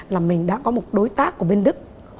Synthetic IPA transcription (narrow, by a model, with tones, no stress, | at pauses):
laː˨˩mï˨˩ŋ̟ɗa̰ː˧˥kɔ˨˦mo˨˩t̚ɗo˨˦jt̪aː˦˥kːu˧˩ɓe˧nɗɨ˦˥k̚